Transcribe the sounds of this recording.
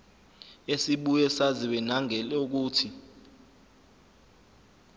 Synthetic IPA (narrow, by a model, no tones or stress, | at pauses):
esiɓujɛsaziwɛnaŋɛluk̬uːtʰi